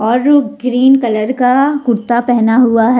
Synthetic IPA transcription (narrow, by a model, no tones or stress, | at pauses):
ɔːɾɡɾiːnkɐləɾkakʊɾt̪apɛɦnaɦuaɦɛ